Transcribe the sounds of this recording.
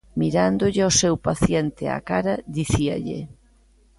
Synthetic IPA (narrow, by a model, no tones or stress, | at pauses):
miɾand̪ʊʎɪosɛwpaθjent̪ɪa̰kaɾɐðiθia̰ʎḛ